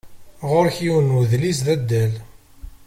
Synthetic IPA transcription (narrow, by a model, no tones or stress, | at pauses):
ʁʊɾçiwənuðlisðæd̪ːæl